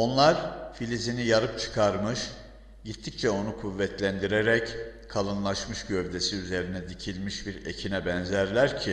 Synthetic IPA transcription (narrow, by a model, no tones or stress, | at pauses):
o̞nlˠaɾfilʲizinijaɾɯp̚t͡ʃʰɯ̥kʰaɾmɯʃ | ɟit̪ʰːic̚t͡ʃʰɛo̞nukʰuvːɛt̪ʰlʲænd̪iɾe̞ɾɛckʰalˠɯnlˠaʃmɯʃɟøvd̪e̞siyze̞ɾinɛd̪icʰilʲmiʃbiɾḛcʰinɛbɛnzæɾlʲæɾcʰi